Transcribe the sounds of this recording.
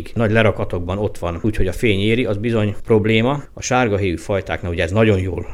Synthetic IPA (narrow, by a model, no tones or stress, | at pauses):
ɡnɒɟlɛɾɒkɒt̪o̞ɡ̚bɒno̞t̪ʋɒnuːcho̞ɟɒfeːɲeːɾiʔɒzbizo̞ɲpro̞bleːmɒɒʃaːrɡɒɦeːʋyfɒjt̪a̰ːknauɟɛɛznɒɟo̞njoːl